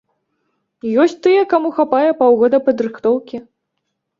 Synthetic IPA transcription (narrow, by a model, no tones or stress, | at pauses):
jɔsʲt͡sʲt̪ɨjɛkamuxapajɛpawɣɔd̪ɐpɐd̪ɾɨxt̪ɔwkʲi